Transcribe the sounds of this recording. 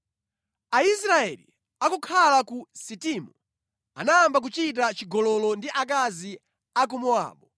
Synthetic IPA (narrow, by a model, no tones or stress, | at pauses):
aisɾaɛlḭ | akɔkʰalakusitimu | a̰naːmbak̬ut͡ʃit̬at͡ʃiɡɔlɔlɔndiʔak̬azi | ak̬umua̰ːɓɔ